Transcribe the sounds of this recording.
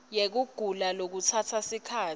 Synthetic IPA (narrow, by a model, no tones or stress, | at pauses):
jek̬uɡ̥ʱulalok̬ut͡sʰatʰasikʰaː